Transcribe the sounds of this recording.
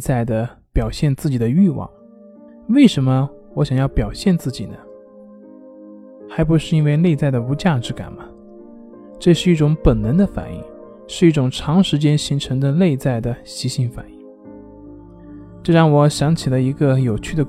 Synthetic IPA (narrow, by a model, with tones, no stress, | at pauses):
t͡sa˥˩ɪd̪ə˩pjɑ˨˩ʊɕjɛ˥˧nt͡sɹ̩˥˩t͡ɕi˨˩d̪ə˦y˥˧wɑ̰˥˩ŋ | we˥˩ɪʂə˧˥nmə˧ | wɔ˧˥ɕjɑ˨˩ŋjɑ˥˩ʊpjɑ˨˩ʊɕjɛ˥˧nt͡sɹ̩˥˩t͡ɕi˨˩nə˦ | xa˧˥ɪp̬u˧˥ʂɻ̩˥˩i˥nwe˥˧ɪle˥˧ɪt͡sa˥˩ɪd̪ə˩u˧˥t͡ɕja˥˩ʈ͡ʂɻ̩˧˥ka̰˨˩nmɐ˦ | ʈ͡ʂɤ˥˧ʂɻ̩˥˧i˥˩ʈ͡ʂʊ˧˥ŋpə˨˩nnə˧˥nd̪ə˧fa̰˨˩nḭ˥˧ŋ | ʂɻ̩˥˧i˥˩ʈ͡ʂʊ˨˩ŋʈ͡ʂʰɑ˧˥ŋʂɻ̩˧˥t͡ɕjɛ˥nɕi˧˥ŋʈ͡ʂʰɤ˧˥ŋd̪ə˧le˥˧ɪt͡sa˥˩ɪd̪ə˩ɕi˧˥ɕi˧˥nfa̰˨˩ni˥˩ŋ | ʈ͡ʂɤ˥˧ɻɑ˥˩ŋwɔ˧˥ɕjɑ˧˥ŋt͡ɕʰi˨˩lə˦i˧˥ɡə˧jo˨˩ʊt͡ɕʰy˥˩d̪ə˩